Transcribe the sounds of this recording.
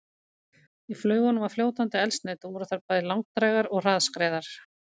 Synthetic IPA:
iflœːɥɣʏnʏmafljoːwt̪ant̪ɪɛlst̪nɛːt̪vɔɾʏθaɾpajðɪlawŋk̚t̪ɾajɣaɾɔɣr̥aðskɾɛːðaɾ̥

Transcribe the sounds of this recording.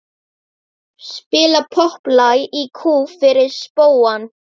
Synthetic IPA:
spɪːlapʰɔhplajikʰuːfɪɾɪɾ̥spoːwan

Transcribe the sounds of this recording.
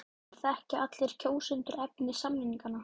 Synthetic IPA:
θɛhcɪat̪lɪɾ̥cʰoːwsʏnt̪ʏɾɛpnɪsamnɪnːiŋkanːa

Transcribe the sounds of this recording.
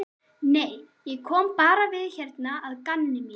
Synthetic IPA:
nej | jɛɣkʰɔːmpaːɾavɪðçɛrt̪naaðkanːɪmi

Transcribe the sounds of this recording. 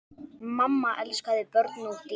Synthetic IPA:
mamːaʔɛlskaðɪpœɾt̪nut̪ɪ

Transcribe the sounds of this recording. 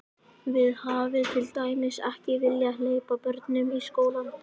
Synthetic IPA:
vɪðhavɪðt̪ʰɪlt̪aːjmɪsɛhcɪvɪljaleːjpapœɾt̪nʏmiskoːwlan

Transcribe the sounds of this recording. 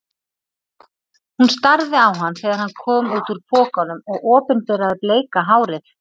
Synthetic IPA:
hunst̪aɾðɪawɦanːθeːɣðaɾ̥hanːkʰɔːmuːt̪uɾ̥pʰɔːkanʏmɔɣɔːpʏnpɛɾaðɪpleːjkaɦaːwɾɪθ

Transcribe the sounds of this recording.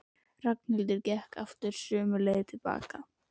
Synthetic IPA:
r̥ak̚n̥hɪlt̪̬ʏɾcɛhka̰ft̪ʏɾ̥sʏːmʏleːjðɪt̪ʰɪlpa̰ːka

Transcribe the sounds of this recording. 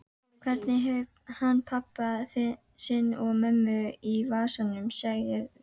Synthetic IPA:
kʰvɛɾt̪nɪɦɛvhanːpʰapːa | sɪnɔɣmœmːʏivaːsanʏmsaɣjɪɾ

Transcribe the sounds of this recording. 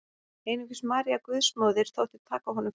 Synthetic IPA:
eːjnʏcʏsmaːɾiakvʏðsmɔːwðɪɾ̥θʰowht̪ɪ̥t̪ʰaːkaɦɔnʏm

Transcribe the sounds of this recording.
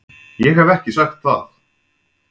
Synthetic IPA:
jɛɣhavɛhcɪsaxt̪θa̰θ

